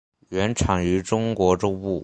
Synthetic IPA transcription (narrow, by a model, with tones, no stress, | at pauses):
ɥɛ˧˥nʈ͡ʂʰɑ˨˩ŋy˧˥ʈ͡ʂʊ˥ŋkwɔ˧˥ʈ͡ʂʊ˥ŋu˥˩